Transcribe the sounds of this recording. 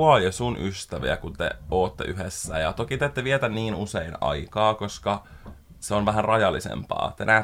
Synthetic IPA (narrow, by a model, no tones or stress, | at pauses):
ɑjesunʔyst̪æʋḭæ̰kunt̪ḛoːt̪ːḛʔyɦesːæjɑt̪okit̪et̪ːeʋiet̪ænniːnuseinɑ̰ikɑːkoskɑ | seonʋæɦænrɑjɑlːisḛmpɑ̰ːt̪enʔæ